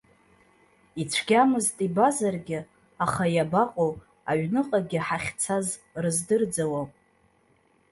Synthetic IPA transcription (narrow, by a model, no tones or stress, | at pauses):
it͡ʃʷʰɡ̥ʲamɨztʼibazarɡʲɪ | aχajabaqʼow | aɥnɨqʼaɡʲɪħaχʲt͡sʰazrɨzdɨrd͡zawo